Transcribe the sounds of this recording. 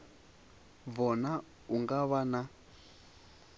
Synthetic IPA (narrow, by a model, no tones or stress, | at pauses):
βɔna | uŋɡaβana